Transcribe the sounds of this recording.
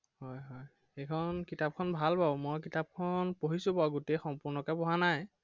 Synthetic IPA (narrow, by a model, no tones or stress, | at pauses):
hɔjɦɔj | ekʰɔnkitap̚kʰɔnbʱalpãmojk̬itap̚kʰɔnpoɦisʊ̃pawɡotexɔmpʊɹnɔkapɔɦanaj